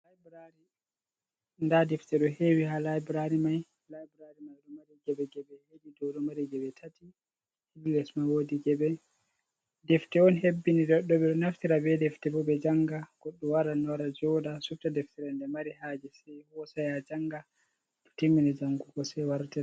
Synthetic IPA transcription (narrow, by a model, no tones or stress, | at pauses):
lajbɾaɾi | ndadɛftɛɗɔhewihalajbɾaɾimaj | lajbɾaɾimajɗɔmaɾiɡɛbɛɡɛbɛheɗidɔwdɔmaɾiɡɛbɛtʰati | hillɛsmawodiɡɛbɛ | dɛftɛɔnɦebːinidɔɗːɔɓɛɗɔnaftiɾabɛdɛftɛbɔbɛd͡ʒaŋɡaɡ̥ɔɗːuwaɾanɔwaɾad͡ʒɔdasuftadɛftiɾɛndɛmaɾiɦaːd͡ʒɛsɛjhɔsajad͡ʒaŋɡa | ɗɔ̥timːinɛd͡ʒaŋɡuɡɔsɛwaɾtiɾa